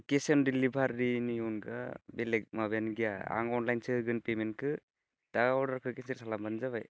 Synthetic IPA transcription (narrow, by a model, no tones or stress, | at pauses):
kesɔndilːibʱaɾːinijɔnɡa̰belek̚mabanɡijaa̰ŋɔnlajnsɯɡɯnpementkʰɯ | d̥aɔɽaɾkʰɯkesiɾsalambanzaβaj